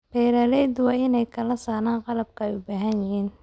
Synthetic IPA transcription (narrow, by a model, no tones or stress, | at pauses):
b̥ɛjɾaːlɛjd̪wɑːɪnɛjkʰɐlɐsaːnaːnqɑlɐb̚kʰɐɛjʊbaːɦɐnjɪhiːn